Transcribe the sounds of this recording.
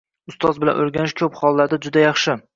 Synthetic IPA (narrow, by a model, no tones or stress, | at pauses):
ʊst̪ʰɒzbɪla̰nʔoɾɡʲanɪʃkʲʰɵpχɒlˠːad̪ɪd͡ʒʊd̪ajɑχʃɪ